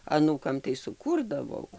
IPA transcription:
ɐˈnuːkɐm tɐɪ sʊˈkuːrdɐʋɐʊ

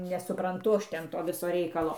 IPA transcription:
nʲɛsʊprɐnˈtʊ ˈɐʃ ˈtʲɛn ˈtoː ˈʋʲɪsoː ˈrʲɛɪkɐlˠoː

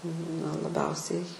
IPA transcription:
nɐ lˠɐˈbʲɛʊsʲɛɪ

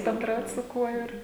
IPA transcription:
bʲɛnˈdrɐʊt sʊ ˈkuɔ ˈɪr

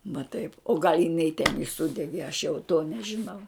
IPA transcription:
ʋɐ tɐɪp oː ɡɐlʲ jɪˈnɐɪ tʲɛn ɪ ˈsʊdʲɛɡʲeː ɐʃ jɛʊ toː nʲɛʒʲɪˈnɐʊ

